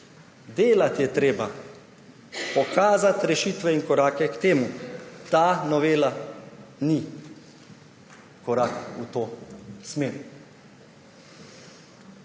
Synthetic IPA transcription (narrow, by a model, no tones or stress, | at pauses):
d̪eːlat̪jɛt̪ɾeːba | pɔkaːzat̪ɾɛʃiːt̪ʋɛinkɔɾaːkɛkt̪eːmut̪aːnɔʋeːla | ni | kɔɾakut̪oːsmeːɾ